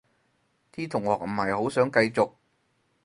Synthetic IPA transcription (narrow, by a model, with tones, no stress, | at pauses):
t̪ʰiː˥t̪ʰʊ˨˩ŋhɔː˨k̚m̩˨˩hɐ˨˩jho˨˥wsœː˨˥ŋkɐ˧jt͡sʊ˨k̚